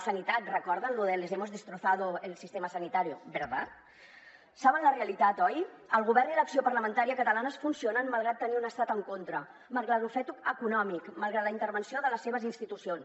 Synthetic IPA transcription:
sənit̪at̪rəkɔɾðənluðelezɛmozðəst̪ɾuθaðuelˠsist̪eməsənit̪aɾiubeɾβa | saβənləreəlit̪at̪ɔjəlˠɣuβɛrniləksiopəɾləmənt̪aɾiəkət̪əlanəsfunsionənməlˠɣ̞ɾat̪ːəniunəst̪at̪əŋkont̪ɾə | məlˠɣɾat̪ufɛt̪uəkunɔmikməlˠɣɾat̪ləint̪əɾβənsioðələsːeβəzinst̪it̪usions

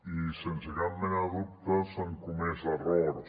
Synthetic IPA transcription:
isensəɣɾamːenaðup̚t̪əsoŋkumezɐrɔɾ

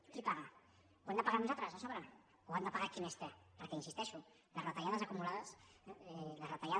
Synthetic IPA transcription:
kipaɣa | uend̪əpaɣaɾnuzat̪ɾəzasɔβɾə | uand̪əpaɣakinɛst̪epəɾkɛinsist̪ɛʃu | ləsrat̪aʎaðəzakumulaðəsɛlazrat̪aʎa

